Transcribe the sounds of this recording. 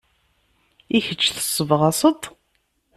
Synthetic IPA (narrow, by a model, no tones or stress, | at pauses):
içət͡ʃːθə̥sˤːəvʁɑsˤət̪ˤ